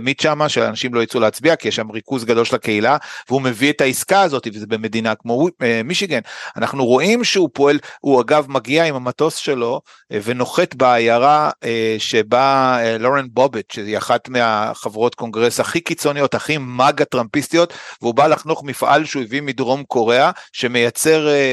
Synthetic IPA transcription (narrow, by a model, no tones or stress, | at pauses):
midʃamaʃela̰naʃimlo̞jit͡suleːt͡sbiakijeʃːamʁikuzɡado̞lʃelake̞ilaveume̞vietaiskaːzo̞t̪ivezebeme̞dinakmo̞miʃiɡenanaχnuʁo̞ʔimʃeupoelhuaɡavmaɡiaimamato̞sʃe̞lo̞ | ve̞no̞χe̞t̪beajaʁaeʃe̞balo̞ʁenbo̞betʃejaχatmeaχavʁo̞t̪ko̞ŋɡʁesaχikit͡so̞nijo̞taχimaɡatʁampist̪ijo̞t̪veubalaχno̞χmifʔa̰lʃeujevimidʁo̞mko̞ʁe̞aʃe̞me̞jat͡se̞ʁ